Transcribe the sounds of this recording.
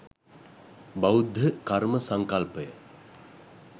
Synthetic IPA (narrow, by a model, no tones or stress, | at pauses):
bawud̪ʱjəkaɾməsaŋkalpəjə